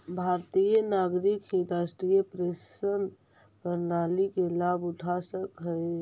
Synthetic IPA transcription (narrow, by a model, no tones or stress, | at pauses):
bʱaɾt̪ijənaɡɾikɦiɾasʈijəpɾesən | pəɾnalikelabuʈʰasəkɦəe